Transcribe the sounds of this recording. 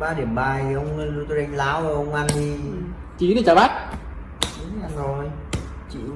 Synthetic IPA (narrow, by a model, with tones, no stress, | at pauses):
ɓaː˧ɗi˧˩əmɓaː˨˩jʔə˧wŋ͡mt̪o˧jʔa˧jŋlaː˨˦wə˧˨˩ʔə˧wŋ͡mʔa˧nɗi˧ | t͡ɕi˨˦ɗi˨˩t͡ɕɔ˧˩ɓaː˦˥t̚ | i˨˦˨a˧nzo˨˩j | t͡ɕḭ˧˨